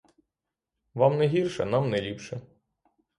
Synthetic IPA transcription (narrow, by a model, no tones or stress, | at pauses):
ʋɑmnɛɦʲirʃɛnɑmnɛlʲipʃɛ